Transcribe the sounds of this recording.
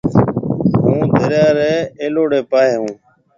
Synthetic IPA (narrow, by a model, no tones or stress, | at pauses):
ɦũːd̪ʱəɾjaːɾɛːeːloːɽeːpaːɦeːɦũː